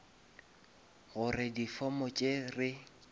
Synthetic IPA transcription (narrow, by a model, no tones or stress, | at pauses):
ɣʊrɪdifɔmɔt͡ʃʼerɪ